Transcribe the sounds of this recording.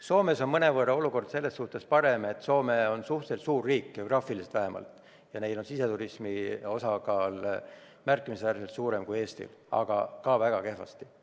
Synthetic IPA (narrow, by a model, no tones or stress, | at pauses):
so̞ːme̞so̞nmɤne̞vɤrɑo̞luko̞rd̪̥se̞lːe̞sːuht̪e̞spɑɾe̞me̞t̪ːˑso̞ːmeo̞nsuht̪selt̪suːrːiːkːeoɡrɑːfilise̥t̪væɦemɑ̰lt̪ | jɑne̞ijd̪o̞nsise̞t̪uɾismio̞sɑkɑːl | mærkːˑimiseæɾselt̪suːɾe̞mkuje̞ːst̪ḭlɑ̰ɡ̥ɑ̰kɑvæɡ̥ɑke̞hɦvɑ̰st̪i̥